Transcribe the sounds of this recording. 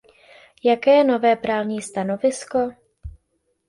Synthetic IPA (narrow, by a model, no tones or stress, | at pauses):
jakɛːjɛno̞vɛːpɾaːlɲiːst̪ano̞vɪsko̞